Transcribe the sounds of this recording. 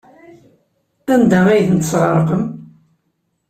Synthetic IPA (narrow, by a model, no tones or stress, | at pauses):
ænd̪ææjθnt̪sʁəɾˤqəm